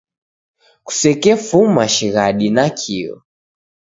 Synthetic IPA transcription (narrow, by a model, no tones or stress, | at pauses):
ku̥sɛkɛfumaʃiɣaɗinakʰiɔ̰